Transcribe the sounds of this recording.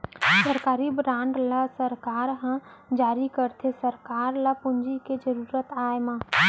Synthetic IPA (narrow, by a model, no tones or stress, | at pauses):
səɾkaːɾibɾãːɳɖlasəɾkaːɾɦə̃ | d͡ʒaːɾikəɾt̪ʰesəɾkaːɾlapʊnd͡ʒiked͡ʒəɾuːɾət̪aːemãː